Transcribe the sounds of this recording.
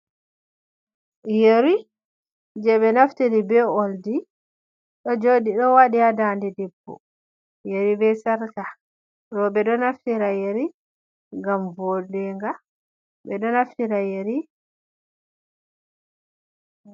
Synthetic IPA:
jeɾi | d͡ʒɛɓɛnaftiɾibɛɔldi | ɗɔd͡ʒoɗiɗɔwaɗiadandɛdɛbːɔ̰ | jeɾibɛsaɾka | ɾɔbɛɗɔnaftiɾajeɾi | ŋɡamvodɛŋɡa | bɛɗɔnaftiɾajeɾi

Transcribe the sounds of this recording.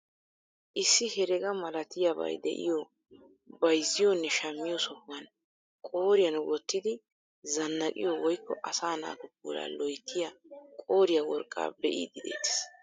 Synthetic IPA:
ʔɪsːɪhɛɾɛɡɐmɐlɐt̪ɪjabɐ̰jd̪ɛ̰ʔɪ̰jɔ | bɐjzːɪjɔnːɛʃɐmːɪjɔsɔhwɐn | kʼo̞ːɾɪjɐnwɔt̪ːɪd̪ɪ | zɐnːɐkʼɪ̰jɔwɔjkːɔʔɐsaːna̰ːt̪ʊpːṵːɾa̰ːlɔjt̪ʰːɪjakʼo̞ːɾɪjawɔɾkʼːa̰ːbɛʔḭd̪ɪd̪ḛːt̪ːɪ̥s

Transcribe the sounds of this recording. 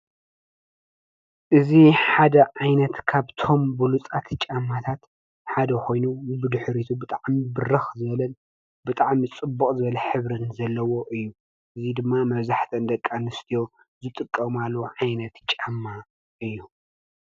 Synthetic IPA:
ʔɨziħad̪ɐʕajnɐt̪kʰaβt̪ʰo̞mbɨlut͡sʼat̪ʰt͡ʃʼamːat̪ʰat̪ | ħad̪ɐkʰʷo̞jnubɨd̪ɨħɾit̪ʰubɨt̪ʼaʕmibɨrɐxzɨβɐlɐn | bɨt̪ʼaʕmit͡sʼɨbːukʼzɨβɐlɐħɨβɾɨnzɐlːɐwo̞ʔɨjːu | ʔɨzid̪ɨmːamɐβzaħt̪ʰɐnd̪ɐkʼːanɨst̪ʰijo̞ | zɨt̪ʼɨkʼːɐmalːoʕajnɐt̪t͡ʃʼamːa | ʔɨjːu

